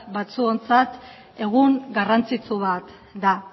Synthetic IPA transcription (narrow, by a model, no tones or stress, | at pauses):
bat͡suo̞nt͡sat̪ | e̞ɣ̞uŋɡarant͡sit͡suβat̪ | d̪a